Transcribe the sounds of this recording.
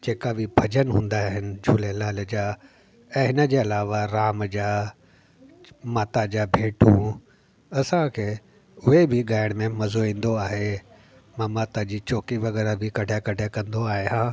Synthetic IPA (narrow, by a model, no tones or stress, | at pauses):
d͡ʑeːkabʱɪbʱɐd͡ʑənɦũːnd̪aɦɪnɪ̆d͡ʑʱuːlelaːled͡ʑaː | ɛ̃ːɦɪnəd͡ʑeːɐlaːʋaɾaːmd͡ʑaː | maːt̪ad͡ʑaːbʱeːʈũ | ɐsãkʰeː | ʊɦebʱɪɡaːɪəɽ̃mẽmɐzoĩːn̆d̪oaːɦe | mãmaːt̪ad͡ʑiːt͡ɕoːkiʋɐɣɛːɾabʱɪkɐɖʱakɐɖʱakɐ̃nd̪oaːɦeɦãː